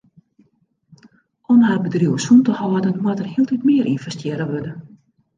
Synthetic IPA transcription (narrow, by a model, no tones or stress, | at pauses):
ʔɔmhaːrbədruəwəsuntəhɔədənmwatərhiəlˠtitmɪəɾʔinfɛstjɪɾəʋødə